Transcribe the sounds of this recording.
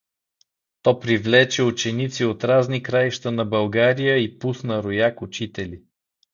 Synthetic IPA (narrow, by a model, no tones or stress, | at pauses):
t̪ɔpɾivlɛt͡ʃɛʊt͡ʃɛnit̪siot̪ɾaznikɾaiʃt̪ənɐbɐlˠɡaɾijəipusnəɾʊjakʊt͡ʃit̪ɛli